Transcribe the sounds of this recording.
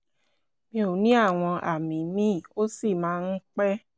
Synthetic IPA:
mĩ˧o˨nĩ˨˦a˦˨w̃ɔ̃˧ʔa̰˨mĩ˨˦mĩ˦˨o˦si˦˨mãː˨˦˧n̩˦k͡pɛ˦

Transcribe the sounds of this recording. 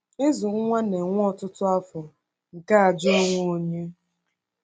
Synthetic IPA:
ɪ˦zʊ˨ŋ̩˦ŋʷa˦ne˨ŋʷ˦ɔ˦tʊ˦tʊ˦a˦fɔ˨ | ŋ̩˨ka˦a˨d͡ʒʊ˦o˦ŋʷo˨o˦ɲe˦

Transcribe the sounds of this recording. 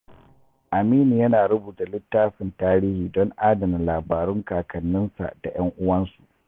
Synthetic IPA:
ʔa˨miː˦ni˨jɐ˦naː˨ɾʊ˦buː˨da˨lɪ˦tːaː˦ɸɪ˨ntaː˦ɾiː˦hiː˨dɔ˦ŋʔaː˦dɐ˨mɪ˨nlaː˨baː˨ɾʊ˦ŋkaː˨kʰɐ˨nːɪ˦nsa̰˨ʔd̥a˨j̰ɐ˦ŋʔʊ˦wɐ˦nsu˨ʔ

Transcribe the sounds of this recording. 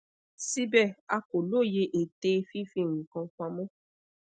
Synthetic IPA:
si˦bɛ˦˨a˧ko˨lo˦˨je˧ʔe˨te˧˦fi˦fĩ˦˨ŋ̃ũ˨kã˧˦k͡pã˧mɔ̃˦

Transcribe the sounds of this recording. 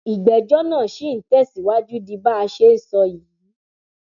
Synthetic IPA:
i˨ɡ͡bɛ˨d͡ʒɔ˦nãː˦˨ʃi˨˦n̩˨˦tɛ˦˨si˨wa˦d͡ʒu˦di˧ba˦a˧ʃe˦n̩˦˨sɔ˧ji˨˦

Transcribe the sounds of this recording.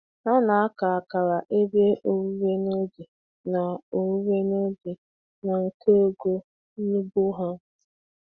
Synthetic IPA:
a˦na˨a˦ka˨ka˨ɾa˨ʔe˦bje˦ʔo˨wu˦ɾe˦no˦d͡ʒi˨ | na˨o˨wu˦ɾe˦no˦d͡ʒi˨ | na˨ŋ̩˨kʰe˦o˦ɡo˦ | ni˦bu˦ɦa˦

